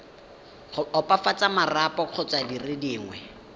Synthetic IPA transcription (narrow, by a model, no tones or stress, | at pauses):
ʊɔpʼafat͡sʼamarapʼɔq͡χʰɔt͡sʼwadirɪdiːŋwɛ